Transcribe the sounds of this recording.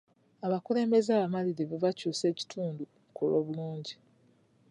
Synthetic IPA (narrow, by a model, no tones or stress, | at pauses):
aβakule̞ːmbe̞zaːβamaliɾiβuvacuːse̞ːci̥tʰuːndu | kʰulo̞ːβuluːɲɟi